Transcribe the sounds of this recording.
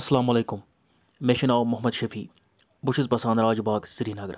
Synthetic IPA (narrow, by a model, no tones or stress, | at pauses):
ɐsɐlaːmɐleːkʊmː | eʃinaːwmʊɦmɐd̪ʃɐfiː | bʊʃɪzpɐsãːnd̪ɾaːd͡ʒubaːksiɾiːnaːɡɾ